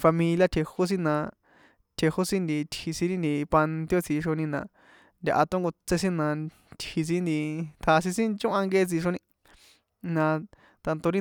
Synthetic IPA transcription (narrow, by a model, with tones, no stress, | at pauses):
fa˧mĩ˧lja˧t̪ʰe˧ho˦s̬ĩ˦nã˧ | t̪ʰe˧ho˦sĩ˦nd̪i˨˧t̪hi˧sĩ˧ɾĩ˦nd̪i˧˨pa˧nt̪jo˦˧t͡si˧ʂo˧nĩ˧nã̰˨ | nd̪ʲa̰˧ʔa˧t̪õ˦ŋɡo˧t͡se˧s̬ĩ˦nã˧ | t̪hi˧s̬ĩ˧˦nd̪i˧t̪ʰa˧s̬ĩ˧sĩ˦t͡ʃõ˦ʔã˧ŋɡe˧e˧t͡si˧ʃ̬o˧nĩ˧ | nã˧ | t̪a˧nt̪o˧ɾĩ˦